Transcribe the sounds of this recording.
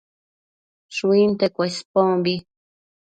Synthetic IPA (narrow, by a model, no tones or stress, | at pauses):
ʃuint̪ekʷespoŋbi